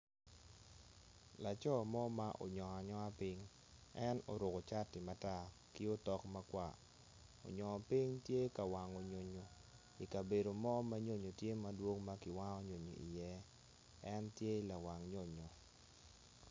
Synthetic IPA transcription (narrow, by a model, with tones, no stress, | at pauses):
la˨t͡ʃɔ˦mɔ˦ma˦ʔo̰˨ɲɔ˨a˨ɲɔ˦a˦pi˦ŋ | ɛ˦no̰˨ɾʊ˨ɡo˨t͡ʃa˦tɪ˨ma˨ta˦ | ki˦o˦tɔ˦kma˦kwa̰˨ | o̰˨ɲɔ˨pi˦ŋtje˦ka˨wa˨ŋo˨ɲo˨ɲo˨ | i˨ka˨be˨do˨mɔ˦ma˦ɲo˦ɲo˨tje˦ma˦dwo˦ŋma˦kɪ˨wa˦ŋɔ˦ɲo˨ɲo̰˨i˨jɛ˦ | ɛ˦ntje˦la˨wa˨ŋɲo˦˨ɲo˨